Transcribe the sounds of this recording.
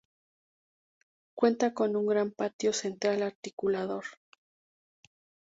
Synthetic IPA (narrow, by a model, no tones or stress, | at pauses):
kwe̞nt̪ako̞nuŋɡɾampat̪jo̞se̞nt̪ɾalaɾt̪ikulaðo̞ɾ